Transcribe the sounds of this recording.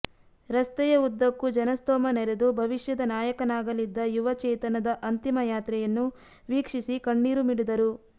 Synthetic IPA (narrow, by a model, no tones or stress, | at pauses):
ɾɐst̪ɛjɐud̪ːɐkːud͡ʒɐnɐst̪ɔːmɐnɛɾed̪ubʱɐʋiʂjɐd̪ɐnaːjɐkɐnaːɡɐlid̪ːɐjuʋɐt͡ʃɛːjt̪ɐnɐd̪ɐʔɐnt̪imɐjaːt̪ɾɛjɐnːu | ʋiːkʂisikɐɳːiːɾumiɽid̪ɐɾu